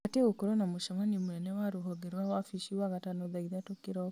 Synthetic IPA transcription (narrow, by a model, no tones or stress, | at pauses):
ateɣokoɾɔnamoʃamanimunɛnɛwaɾoɦɔɡeɾwawafiʃiwaɣatanɔðaiðatokeɾɔ